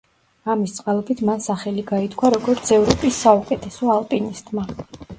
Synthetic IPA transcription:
amist̪sʼqʼalˠɔbit̪ʰmansaχɛliɡait̪ʰkʰwaɾɔɡɔɾt̪sʰɛvɾɔpʼisːaukʼɛt̪ʰɛsɔalˠpʼinist̪ʼma

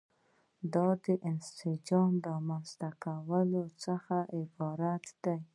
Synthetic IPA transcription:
d̪ɑd̪əʔɪnsɪd͡ʒɑmɾɑmanzt̪akawəlot͡səxaʔɪbɑɾat̪d̪aj

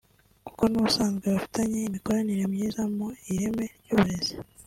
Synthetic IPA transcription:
ku̥ko̞nuβusaːnzɡweβafi̥taɲeimiko̞ɾaniɾe̞mɲiːzamoiɾe̞me̞ɾjuːβuɾe̞ze

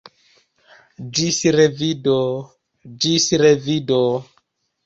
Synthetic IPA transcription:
d͡ʒisɾevido | d͡ʒisɾevido

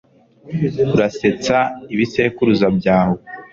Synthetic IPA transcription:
uɾase̞t͡saiβisekuɾuzabɟaːho

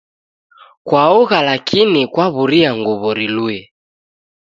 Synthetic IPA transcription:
kwauɣalakʰinikwaβuɾiaŋɡuβɔɾiluɛ

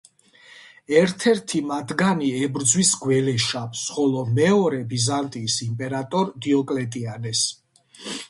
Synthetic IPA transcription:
ɛɾt̪ʰɛɾt̪ʰimad̪ɡaniɛbɾd̪zwisɡwɛlɛʃapsχɔlɔmɛɔɾɛbizant̪ʼiːsimpʼɛɾat̪ʼɔɾd̪iɔkʼlɛt̪ʼianɛs

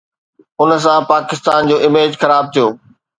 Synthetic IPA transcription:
ʊns̬ãpaːkɪst̪aːnd͡ʑoːɪmeːd͡ʑxɐɾaːb̚t̪ʰijoː

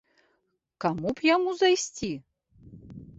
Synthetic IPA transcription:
kamupjamuzajsʲt͡sʲi

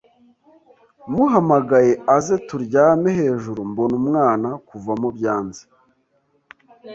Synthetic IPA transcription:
muɦamaɡaje̞aze̞tuɾɟaːmeɦe̞ːʒuɾumbonumŋaːnakuvamubɟaːnze̥

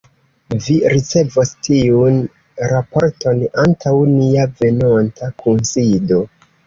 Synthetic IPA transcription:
viɾit͡se̞vostiun | ɾapo̞ɾtʰo̞nantʰawniave̞nontʰakunsido̞

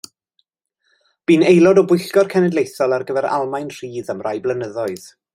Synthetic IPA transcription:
b̥iːnejlˠɔdɔbʊɨɬɡɔrkʰɛnɛdlejθɔlˠarɡəvɛɾa̰lˠmajnr̥iːðamrajblˠənəðɔɨð̥

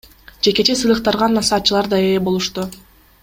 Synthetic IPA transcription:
d͡ʒe̞ke̞t͡ʃe̞sɯjlˠɯq̚t̪ɑɾʁɑnːɑsɑːt̪̚t͡ʃːɯlˠɑɾd̪ɑeebo̞lˠuʃt̪u

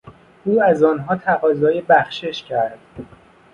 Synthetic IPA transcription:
ʔuːæzɒːnɦɒːt̪ʰæɣɒːzɒːjebæxʃe̞ʃcʰæɾd̪̥

